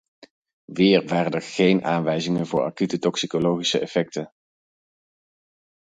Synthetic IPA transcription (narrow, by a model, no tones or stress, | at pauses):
ʋɪːɹʋaːɾəndəɹχejnʔa̰ːnʋɛjzɪŋənvʊːɹʔa̰kytətɔksikolowχisəɛfɛk̚tən